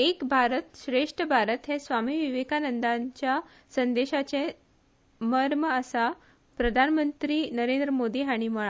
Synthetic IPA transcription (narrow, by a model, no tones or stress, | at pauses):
ekbʱaɾət̪ɕɾeʂʈəbʱaɾət̪ɦɛsʋamiːʋiʋekanənd̪aɲt͡ɕja | sənd̪eɕat͡sẽ | məɾməəsa | pɾəd̪ʱanmənt̪ɾiːnəɾẽnd̪ɾəmod̪iːɦaɽ̃iməɭa